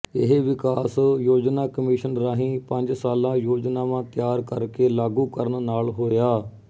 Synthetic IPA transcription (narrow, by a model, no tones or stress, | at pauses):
ɪɦeʋɪkaːsjoːd͡ʒnaːkəmɪːʃənɾaːɦĩːpəɲd͡ʒsaːlãːjoːd͡ʒnaːʋãːt̪jaːɾkəɾkeːlaːɡuːkəɾənnaːlɦoːjaː